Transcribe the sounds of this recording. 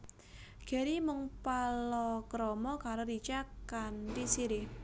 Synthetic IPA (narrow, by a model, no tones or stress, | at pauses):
ɡ̥e̤ɾimʊŋpalɔkɾɔmɔkaɾoɾit͡ʃakantisiɾɪh